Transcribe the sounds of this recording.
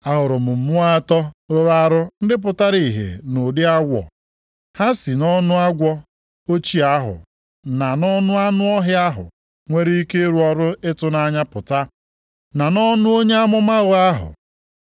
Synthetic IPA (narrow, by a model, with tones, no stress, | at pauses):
a˨ɦʊ˨ɾʊ˨mʊ˨m̩˨mʊ˦a˦tɔ˦ɾo˦ɾa˦ɾʊ˦n̩˦dɪ˦p̬ʊ˨ta˦ɾi˨ɦḛ˨no˨dɪ˦a˦ɡʷɔ̰˨ | ha˦si˨nɔ˦nʊ˦a˦ɡʷɔ˦ | o˦t͡ʃi˦a˦ɦʊ̰˨ | na˨nɔ˦nʊ˦a˦nʊ˦ɔ˦ɦɪ˦a˦ɦʊ̰˨ | ŋʷe˦ɾi˦i˦ke˦ɾu˦ɔ˨ɾʊ˦ɪ˦tʊ˦na˦ɲa˦pʊ˨ta˦ | na˨nɔ˦nʊ˦o˦ɲe˦a˦mʊ˦ma˦ɣʊ˦a˦ɦʊ̰˨